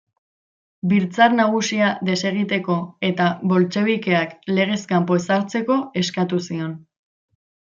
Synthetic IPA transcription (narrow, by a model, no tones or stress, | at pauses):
biɾt͡saɾnaɣ̞usiade̞se̞ɣ̞it̪e̞ko̞e̞t̪aβo̞lt͡ʃe̞βike̞akle̞ɣ̞e̞skampoesaɾt͡se̞ko̞e̞skat̪usio̞n